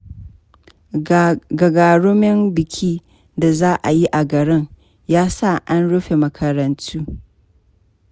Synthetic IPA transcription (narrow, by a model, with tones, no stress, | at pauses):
ɡɐ˨ɡaː˨ɽʊ˦mɪ˦mbɪ˨kʲʰiː˦ | da˨zaː˦ʔa˨ji˦ʔa˨ɡɐ˨ɽɪ˦ŋ | jaː˦sa˦˨ʔa˦nɽʊ˦ɸe˨mɐ˨kʰɐ˨ɾɐ˨ntʰuː˦